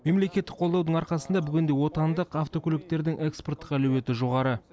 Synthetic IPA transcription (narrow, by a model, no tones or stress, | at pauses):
me̞mle̞kʲe̞t̪ːɪ̥qʰo̞lˠd̪ɑwd̪əɴɑɾqɑsənd̪ɑbʏɡʲɪnd̪e̞wo̞t̪ɑnd̪əqɑft̪o̞kʲʰɵlɪk̚t̪e̞ɾd̪ɪŋʔe̞kspo̞rt̪ːə̥qælɵwe̞t̪ɪʒo̞ʁɑɾə